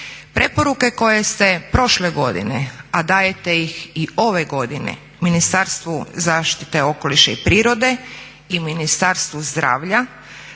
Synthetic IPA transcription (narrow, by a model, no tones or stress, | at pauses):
pɾe̞po̞ɾuke̞ko̞je̞st̪e̞pɾo̞ʃleɡo̞d̪ḭnead̪aːjet̪e̞jixio̞ʋe̞ɡo̞d̪inḛ | minist̪aɾst̪ʋuzaːʃt̪i̥t̪e̞o̞ko̞liʃaipɾiːɾo̞d̪e̞ | iminist̪aɾst̪ʋuzd̪ɾa̰ːʋʎa